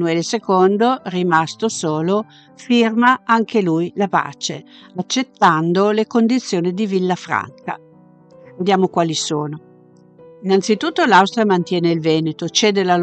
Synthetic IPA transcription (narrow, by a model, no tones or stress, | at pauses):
uɛlesekond̪orimast̪osoːlo | firmaaŋkelujlapa̰ːt͡ʃeat͡ʃːet̪ːand̪olekond̪it̪sːjoːnid̪ivilːafɾa̰ŋka̰ | ved̪jaːmokwaːlisoːno | inant̪sit̪ut̪ːolawst̪ɾiamant̪jɛːneilvɛːnet̪ot͡ʃeːd̪elal